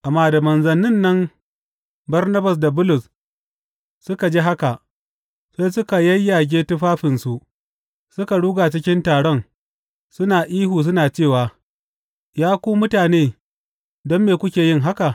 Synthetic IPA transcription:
ʔa˨mːaː˦da˨mɐ˨nzɐ˨nɪ˦nːɐ˦m | bɐ˦rnɐ˦bɐ˨s̬da˨bʊ˦lʊ˨s | sʊ˦ka˨d͡ʒeː˦ɦa˦ka˨ʔ | sa˦jsʊ˦ka˨jɐ˦jːa˨ɡʲeː˦tʊ˦ɸaː˦ɸɪ˨nsu˨ʔ | sʊ˦ka˨ɽuː˦ɡaː˨t͡ʃɪ˦kʲɪ˦ntaː˨ɽɔ˦ŋ | sʊ˦naː˨ʔiː˦ɦuː˨s̬ʊ˦naː˨t͡ʃeː˦˨waː˨ | jaː˦kʷuː˦mʊ˦taː˨neː˦ | dɔ˦mːeː˨kʷʊ˦kʲeː˨jɪ˦ŋɦa˦ka˨ʔ

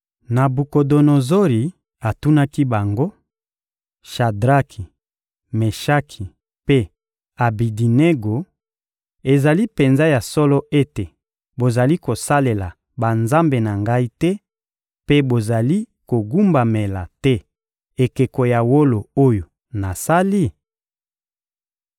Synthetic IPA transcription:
na˨bu˨ko˨do˨no˨zo˦ɾi˨ | a˨tu˦na˦ki˦ba˨ŋɡo˦ | ʃa˨dʁa˦kʰi˨ | me˨ʃa˦kʰi˨ | pe˦ | a˨bi˨di˨ne˦ɡo˨ | e˨za˨li˦pe˨nza˦ja˨sɔ˦lɔ˦ʔe˦te˨ | bo˨za˨li˦ko˨sa˦le˨la˨ | ba˨nza˦mbe˨na˨ŋɡa˦i˦tɛ˦ | pe˦bo˨za˨li˦ko˨ɡu˦mba˨me˨la̰˨tɛ˦ | e˨ke˨ko˨ja˨wo˦lo˨o˦jo˨ | na˨sa˦li˦˨

